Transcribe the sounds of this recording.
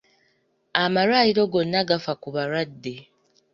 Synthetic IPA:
amaɾwajiɾo̞ɡo̞nːaɡafakuβaɾwadːe

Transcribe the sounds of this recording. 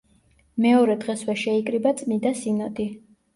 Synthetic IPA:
mɛɔɾɛd̪ʁɛswɛʃɛikʼɾibat̪sʼmid̪asinad̪i

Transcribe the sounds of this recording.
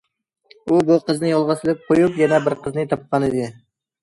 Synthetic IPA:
ubuqʰəznɪjolˠʁɑsɪlˠɪp̚qʰojupjɛnɛbɪɾqʰəznɪt̪ʰɑp̚qɑnɪd̪ɪ

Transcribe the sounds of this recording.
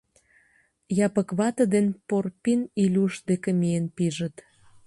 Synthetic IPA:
jɑpəkβɑt̪ə̆d̪enporpinilʲuʃd̪ekemienpiʒət̪

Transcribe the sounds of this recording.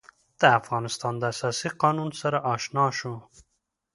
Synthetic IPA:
d̪̥əafɣɑnɪst̪ɑnd̪əasɑsiqɑnunsaɾaʔɑʃnɑʃu

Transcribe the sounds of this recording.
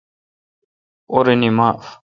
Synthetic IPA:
oɾenimaːf

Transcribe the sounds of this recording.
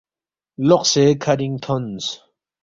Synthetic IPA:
lɔqsekʰaɾĩŋt̪ʰɔns

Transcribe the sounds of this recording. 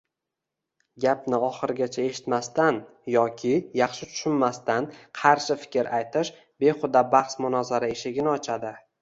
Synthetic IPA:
ɡʲapnɪɒχɨɾɪɡʲat͡ʃʰae̞ʃɪ̥t̪mast̪an | jɒkʲʰɪjɑχʃɪt͡ʃ̪ʰʊ̥ʃɪnmast̪anqʰɑɾʃɪfɪ̥kʲʰɪɾʔajt̪ʰɪʃ | be̞χʊd̪abɑχsmʊnɒzaɾaeʃɪɡʲɪnɪɒt͡ʃʰad̪ɪ

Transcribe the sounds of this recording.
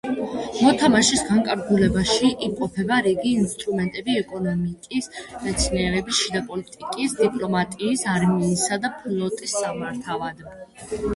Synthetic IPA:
mɔt̪ʰamaʃisɡaŋkʼaɾɡulɛbaʃiʔimqʼɔpʰɛbaɾiɡiːnst̪ʼɾumɛnt̪ʼɛbiɛkʼɔnɔmikʼismɛt̪sʰniɛɾɛbisʃid̪apʼɔlit̪ʼikʼisd̪ipʼlɔmat̪ʼiːsaɾmiːsad̪apʰlˠɔt̪ʼisːamaɾt̪ʰavad̪

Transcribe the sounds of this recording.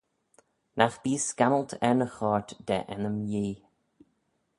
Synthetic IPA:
nʔaxb̥iːskaməlˠtʰɛɹnəxɑːɹtd̥ɛ̰ʔɛnəmjiː

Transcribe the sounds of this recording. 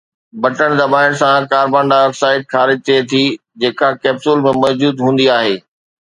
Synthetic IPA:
bɐʈəɽ̃d̪ɐbaːɪɽ̃sãkaːɾbãːɳɖaʋɛːfsaːɪʈ̚xaːɾɪd͡ʑ̚t̪ʰiet̪ʰi | d͡ʑeːkakɛːbsʊlmẽmɔːd͡ʑuːd̪ɦũːn̆d̪iaːɦeː

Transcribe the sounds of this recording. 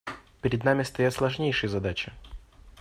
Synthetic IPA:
pʲɪɾʲɪd̪namʲɪst̪ɐjat̪slˠɐʐnʲejʂɨjəzɐd̪at͡ɕɪ

